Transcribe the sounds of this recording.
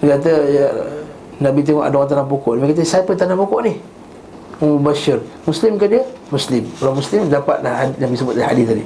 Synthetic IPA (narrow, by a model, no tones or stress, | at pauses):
kat̪̬əj | naʔbit̪̬eŋɔʔa̰doɣant̪anap̬okɔʔnamakat̪̬əsapət̪anahpokɔʔni | umbaʃɪrmuslɪmkaʔdiəmuslɪmkalawmuslɪmdapat̪̚lahadnabisəbʊt̪̚laha̰diadi